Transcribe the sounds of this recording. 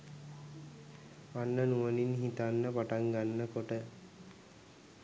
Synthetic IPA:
ʋanːənuʋəninɦit̪anːəpaʈaŋɡanːəkoʈə

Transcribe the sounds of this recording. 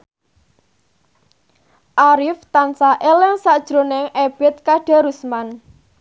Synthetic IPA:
ʔaɾift̪ansaʔelɛŋsaʔd̥ʒ̥ɾo̤nɛŋʔeb̥ɛt̪̚kaɖ̥a̤ɾusman

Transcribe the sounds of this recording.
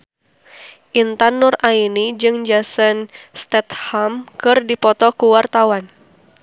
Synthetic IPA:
ʔint̪anːʊrainid͡ʒɨŋd͡ʒasənst̪ɛt̪hamkɨrdipɔt̪ɔkuwart̪awan

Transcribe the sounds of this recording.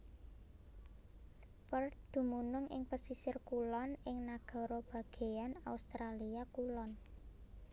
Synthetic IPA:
pərd̪̥ṳmunʊŋʔɪ̰ŋpəsisɪrkulɔnɪŋnaɡ̥ɔ̤ɾob̥ä̤ɡ̥e̤ana̰ust̪ɾaliakulɔn

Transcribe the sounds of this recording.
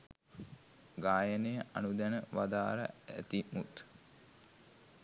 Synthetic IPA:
ɡaːjənejəʔa̰nud̪ænəʋad̪aːɾə̰æ̰t̪imut̪

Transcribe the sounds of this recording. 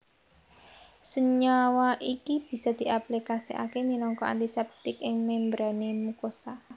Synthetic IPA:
səɲawaʔikib̥i̤sɔd̪̥i̤ʔaplikasiʔa̰kemilɔŋkɔa̰nt̪isɛp̚t̪ɪkɪŋmɛmbɾanemukosa

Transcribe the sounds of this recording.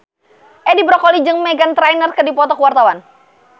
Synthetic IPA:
ʔɛdibɾɔkɔlid͡ʒɨŋmɛɡant̪ɾajnərkɨdipɔt̪ɔkəwart̪awan

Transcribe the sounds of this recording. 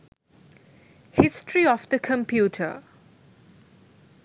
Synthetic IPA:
hɪstɹiɔfd̪əkʰə̃mpʰjuːtʰə̰

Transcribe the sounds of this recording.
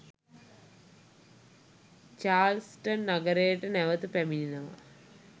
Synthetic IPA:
t͡ʃaːlsʈonːaɡəɾejəʈənæʋət̪upæmininəʋa̰

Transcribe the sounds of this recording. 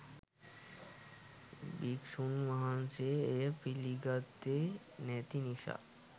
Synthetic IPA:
biksunmaɦanseepiliɡat̪ːe | nɛt̪inisa̰

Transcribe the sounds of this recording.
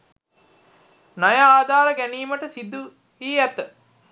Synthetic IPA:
najaaːd̪ʱaːɾəɡæniːməʈəsid̪ːu | iːæt̪ə

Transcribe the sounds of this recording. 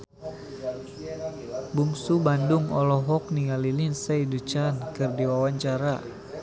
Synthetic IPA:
buŋsubandʊŋɔlɔɦɔk̚niŋalilinsaidut͡ʃankɨrdiwawaɲt͡ʃaɾa

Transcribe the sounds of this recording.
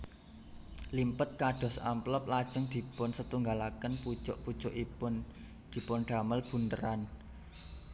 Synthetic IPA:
limpət̪̚kaɖ̥ɔ̤samplɔp̚lad̥ʒ̥əŋd̪̥i̤pʊnsət̪uŋɡalakənpud̥ʒ̥ʊʔpud̥ʒ̥ʊʔipʊn | d̪̥i̤pʊnɖ̪̥a̤məlb̥ṳnt̪əɾan

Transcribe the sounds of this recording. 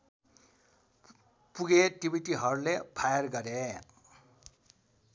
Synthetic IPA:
puɡeʈibʱiʈiɦʌɾulepʰajʌrɡʌɾe

